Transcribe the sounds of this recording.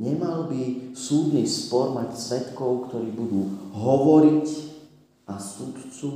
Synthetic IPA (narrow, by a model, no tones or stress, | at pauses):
ɲɛmalbisuːd̪niːspɔɾmacsʋɛt̪kɔʊkt̪ɔɾiːbud̪uːɦɔʋɔɾic | ʔasut̪t͡su